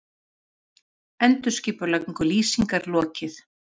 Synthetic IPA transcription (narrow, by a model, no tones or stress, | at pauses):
ɛnt̪ʏ̥sciːpʏlaiŋkʏliːsiŋkaɾlɔːcɪθ